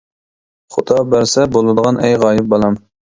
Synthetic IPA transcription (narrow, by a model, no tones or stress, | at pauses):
χʊd̪ɑbæɾsɛbolˠɨd̪əʁɑnʔɛjʁɑːjɪp̚bɑlˠɑm